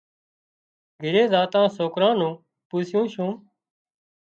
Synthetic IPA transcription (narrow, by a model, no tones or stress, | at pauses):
ɡʱɪɾeːzaːt̪ãːsoːkɾãːnũː | puːsjũːʃũː